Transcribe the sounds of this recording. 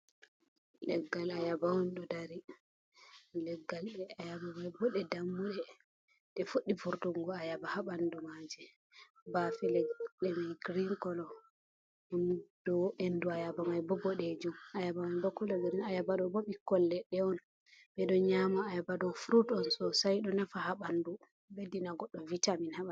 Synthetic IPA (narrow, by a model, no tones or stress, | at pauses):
lɛɡːalajabawɔnɗɔdaɾi | lɛɡːalɛajabamajbɔɗɛdamːuɗɛ | ɗɛfuɗːifuɾtuŋɡɔajabahabandumad͡ʒɛ | bafɛlɛɗɛmajɡɾiŋkɔlɔ | mund̥ɔenduajabamajbɔbɔɗɛd͡ʒumajabamajbɔkɔlaɡɾinajabaɗɔboɓikːɔlːɛɗɛɔn | bɛɗɔɲamaːjabadɔfuɾutɔnsɔsajɗɔnafahaɓandu | bedinaɡɔɗːɔvitaminhaɓa